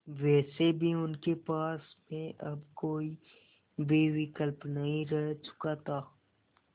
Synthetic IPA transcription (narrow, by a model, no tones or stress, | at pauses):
ʋɛːsebʱiʊnkepaːsmẽʔɐbkoːi | beːʋɪkəlpnɐɦĩɾɛɦt͡ʃʊ̥kat̪ʰaː